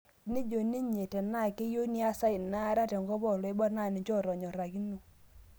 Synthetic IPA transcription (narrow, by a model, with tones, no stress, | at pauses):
ni˦d͡ʒo˨ni˦ɲe˨tɛ˨na˦˨ke˦jo˦ni˦a˦sa˦i˨na˦ɾa˦˨tɛ˨ŋɡɔ˦bɔ˦˨lɔ˨e˦bɔ˦na˦˨ni˨d͡ʒɔ˦˨ɾɔ˨ɲɔ˨ɾa˨ki˦no˨